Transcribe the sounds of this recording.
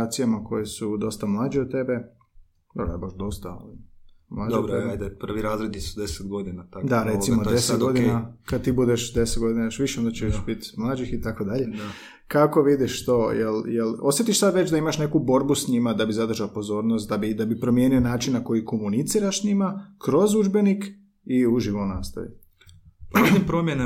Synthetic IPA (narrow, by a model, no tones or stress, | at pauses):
at̪sijamako̞jesud̪o̞st̪amlˠaːd͡ʒeot̪e̞be̞ | d̪abɾ̰baʃd̪o̞st̪a̰omlˠaːd͡ʒ̪eɾeajd̪apr̩ʋiɾaːzɾed̪nisud̪eset̪ɡo̞d̪inat̪akdd̪aɾe̞t̪imod̪eseet̪ɡɡod̪inakad̪t̪iːbud̪eʃd̪e̞setd̪ɡo̞d̪inajoʃʋiʃeond̪at͡ʃeʃbit̪mlˠaːd͡ʒixit̪akod̪aʎe̞ | kako̞ʋid̪iʃt̪o̞jeljelo̞sjet̪iʃsad̪ʋet͡ɕd̪aimaʃne̞kubo̞ɾbusɲimad̪abizad̪r̩ʒaopo̞zo̞ːɾnost̪̚d̪abid̪abipɾo̞mjeːnionaːt͡ʃinnako̞jiko̞munit̪siːɾaʃsɲimakɾo̞zud͡ʒbe̞nik | iuʒiʋonaːst̪a̰ʋḭ | pimpɾomjene